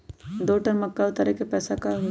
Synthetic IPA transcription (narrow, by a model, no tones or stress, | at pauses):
d̪oʈəɾməkːaʋt̪aɾɛkepɛːsakaɦ